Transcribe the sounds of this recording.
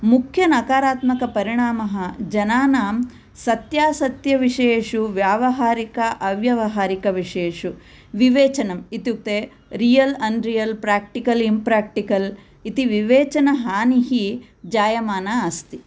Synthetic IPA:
mukʰjɐnɐkaːɾaːt̪mɐkɐpɐɾiɳaːmɐɦɐd͡ʒɐnaːnaːm | sɐt̪jaːsɐt̪jɐʋiʂeːʂuʋjaːʋɐɦaːɾikɐʔɐʋjɐʋɐɦaːɾikɐʋiʂeːʂu | ʋiʋeːt͡ʃɐnɐmit̪juk̚t̪e | ɾijɐlɐɳɖɾijɐlpɾaːk̚ʈikɐlimpɾaːk̚ʈikɐl | it̪iʋiʋeːt͡ʃɐnɐɦaːniɦi | d͡ʒaːjɐmaːnɐast̪i

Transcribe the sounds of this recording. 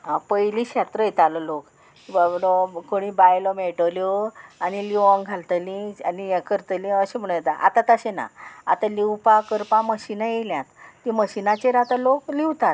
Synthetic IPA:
ɦãpəjliɕat̪ɾəjet̪alɔlok | ibabɽɔkoɽ̃ibajlɔmeʈəljɔañiliʋɔ̃ŋɡʱalt̪əlĩanijɛ̃kəɾt̪əlĩəɕem̤əɽ̃ũjet̪aʔa̰t̪at̪əɕena̰at̪aliwpakəɾpãməɕinajeljãt̪ːiməɕinat͡ɕeɾat̪alokliwt̪at̪

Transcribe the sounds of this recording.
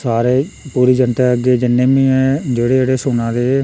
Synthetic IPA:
saːɾeːpuːɾiːd͡ʒənt̪aːəɡeːd͡ʒɪnːeːmĩːɛ̃ːd͡ʒeːɽeːeːɽeːsʊnãːd̪eː

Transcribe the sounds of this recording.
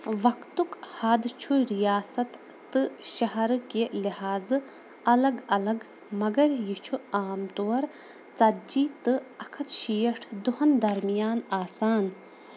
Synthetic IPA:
ʋɐkt̪ukhad̪t͡ʃʰuɾijaːsɐt̪ː | ɨʃɐɦɐɾkelihaːzɨ | ɐlɐɡɐlɐɡ | mɐɡɐɾjit͡ʃʰuaːmt̪oːɾ | t͡sɐd͡ʒiːt̪ɨɐkʰɐt̪ʃiːɐʈʰd̪uhɐnd̪ɐɾmijaːnaːsaːn

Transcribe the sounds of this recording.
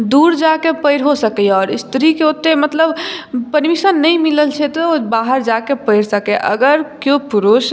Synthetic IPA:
d̪uɾd͡ʒakepəɪɾɦosəkɛjɔːɾist̪ɾikeot̪ːemət̪ləbpəɾmisənːəjmiləlt͡ʃʰɛt̪ɔbaɦəɾd͡ʒakepəɪɾsəkɛʔə̰ɡəɾkjopuɾus

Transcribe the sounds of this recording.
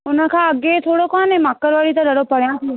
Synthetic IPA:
ʊnãːkʰãːəɡeːt̪ʰoːɽokɔnemaːkːəɾʋaːɽiːt̪ãɾəɽopəɽjãːsi

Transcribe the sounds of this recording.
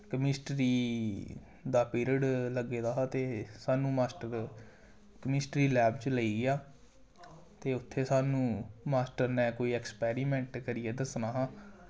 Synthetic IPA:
kəmɪsʈɾiː | d̪aːpiːɾiəɖləɡːeːd̪aːɦaːt̪eːsaːnũːmaːsʈəɾ | kəmɪsʈɾiːlɛːbt͡ʃləiːɡɪjaː | t̪eːʊt̪ʰːeːsaːnũːmaːsʈəɾnɛ̃ːkoːiːɛkspɛːɾiːmɛ̃ːɳʈkəɾɪjɛːd̪əsnaːɦãː

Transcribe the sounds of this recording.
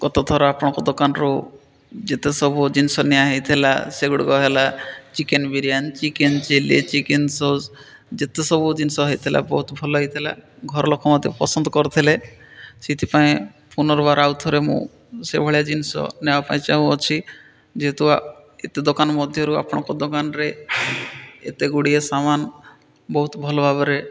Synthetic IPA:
ɡɔt̪ɔt̪ʰɔɾɔapɔɽ̃ɔ̃kɔd̪okanɔɾu | d͡ʒet̪esɔbud͡ʒinisɔnejaɦɔjt̪ʰila̰seɡuɽɡɔɦelat͡ʃikenbiɾijant͡ʃikent͡ʃelḛt͡ʃikensoz | d͡ʒet̪esɔbud͡ʒinisɔɦɔit̪ʰila̰bɔɦut̪bʱɔlɔɦɔjt̪ʰila̰ɡʱɔɾɔlokʰɔmɔd̪ʱjɔpɔsɔnd̪ɔkɔɾt̪ʰilesit̪ʰipaẽ | punɔɾbaɾawt̪ʰɔɾemṵ̃ | sebʱɔɭijad͡ʒinsɔ̰nɛbapaĩt͡ʃaɦũɔt͡ʃʰi | d͡ʒet̪ua | et̪ed̪ɔkanmɔd̪ʱjɔɾua̰pɽ̃ɔ̃kɔd̪ɔkanɾe | ḛt̪eɡuɽiesaman | bɔɦut̪bʱɔlobʱabɔɾe

